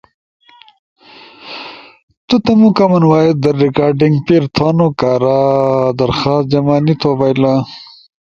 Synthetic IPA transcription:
t̪ut̪ɐmukɐmɐnwaːjet̪̚d̪ɐɾːikaːɾɖiŋɡpiɾt̪ʰaːnokaːɾad̪ɐɾxɑːst̪̚d͡ʑɐmaːnit̪ʰobajla

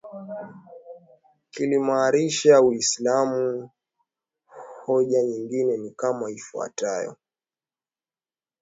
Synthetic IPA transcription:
kilimaːɾiʃawislamu | hɔʄaɲiŋɡinɛnikamaifua̰tajɔ̰

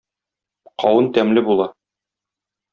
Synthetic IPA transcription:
qɒwɤnt̪æmlɘbulˠɑ

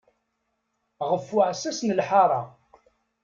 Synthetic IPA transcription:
ʁəfːʊʕsæsnəlħɑɾˤɑ̰

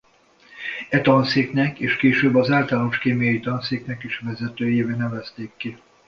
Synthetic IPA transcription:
ɛt̪ɒnseːknɛkeːʃkeːʃøːbːɒzaːlt̪aloʃkeːmijɒjit̪ɒnseːknɛkiʃvɛzɛt̪øːjeːveːnɛvɛst̪eːkːi

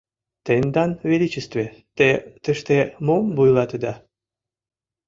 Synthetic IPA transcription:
t̪end̪ɑnvʲelʲit͡ɕəst̪vʲet̪et̪ə̆ʃt̪emombujlɑt̪ə̆d̪ɑ

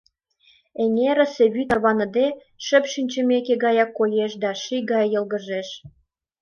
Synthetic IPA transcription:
eŋeɾə̆seβyt̪ərβɑnə̆d̪e | ʃə̆pʃynʲt͡ɕə̆mekeɣɑjɑkːolʲeʃd̪ɑʃiɡɑjːəlɣə̆ʒeʃ

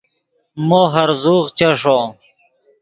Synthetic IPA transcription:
moːɦɐɾzuːɣt͡ɕɐʂoː

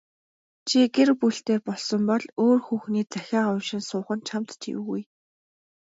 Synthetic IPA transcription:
t͡ɕʰiɡerpuɬt̪eːpɔɮsɞ̆mpɔɮoːrxuːxniːt͡sæxʲaːʁʊwʃɪ̆nsʊːχə̆nt͡ɕʰamt̪t͡ɕʰḭwɣṵj

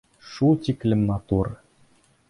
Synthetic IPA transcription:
ʃut̪ʲiklʲɘ̆mmɑt̪ur

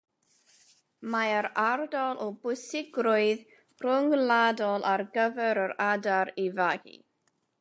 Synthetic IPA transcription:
maəɾardɔlˠʔɔbʊsɪɡɾʊɨð | r̥ʊŋladɔlˠʔarɡəvɛɾəɾadaɾivaɡḭ

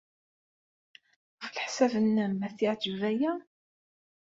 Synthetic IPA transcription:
fəlħsævənːəmæθiʕd͡ʒəvæjæ

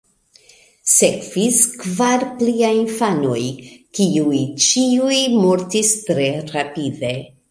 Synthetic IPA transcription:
sekviskvaɾpliajinfano̞jkiujt͡ʃiujmoɾtistɾe̞ɾapide̞

